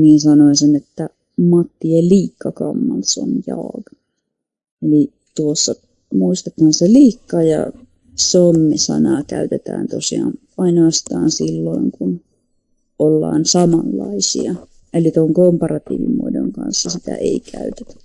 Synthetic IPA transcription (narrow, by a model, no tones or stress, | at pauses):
nieːnsɑnoisenet̪ːæ | mɑt̪ːielliːkːɑkɑmːɑlso̰njɑ̰ːɡɑ | eli | t̪uosːɑ | muist̪et̪hɑnseliːkːɑjɑ̰ | somːisɑ̰nɑːkæyt̪et̪æ̰ːnt̪osiɑ̰ːn | ɑinoɑst̪ɑːnsilːoiŋkun | ʔolːɑ̰ːnsɑmɑlːɑisḭɑ | ʔelit̪oŋkompɑrɑt̪ḭːʋḭmṵdo̰ŋkɑ̰nsːɑsit̪æ̰ʔeikʰæyt̪e̥t̪æ̥